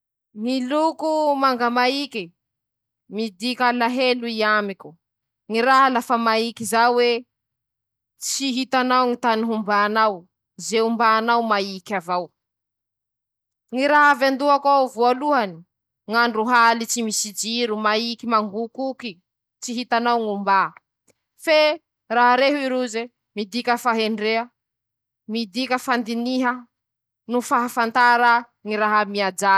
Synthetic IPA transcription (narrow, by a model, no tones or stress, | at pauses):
ŋilukumaŋɡamaiki | mid̪ikalaɦeluiamikʲu | ŋiraɦalafamaikizawe | t͡siɦit̪anawŋit̪aniɦumbaːnaw | zeumbaːnawmaikʲavaw | ŋiɾaɦavand̪uakavualuɦani̥ | ŋaɳɖ͡ʐuɦalit͡simisid͡ʒiɾumaikimaŋɡukuki | t͡ʃt͡siɦit̪anawŋumba | fe | raɦaɾeɦuiɾuze | mid̪ikʲəfaɦeɳɖ͡ʐeə | mid̪ikʲəfand̪iniɦə | nufaɦafant̪aɾa | ŋiɾaɦamiad͡ʒa